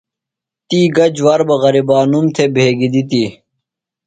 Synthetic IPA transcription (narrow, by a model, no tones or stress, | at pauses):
t̪iːɡɐd͡ʑwɐɾbɐɣɐɾibaːnumt̪ʰebʱeːɡid̪it̪i